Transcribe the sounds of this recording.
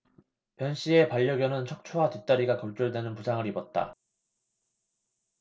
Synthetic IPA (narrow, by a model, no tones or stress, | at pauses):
pjʌnɕ͈ie̞paʎːʌɡjʌnɯnt͡ɕʰʌk̚t͡ɕʰuɦatut͈aɾiɡakʌɭt͡ɕ͈uɭdwenɯnpusʰaŋɯɾibʌt̚t͈a̰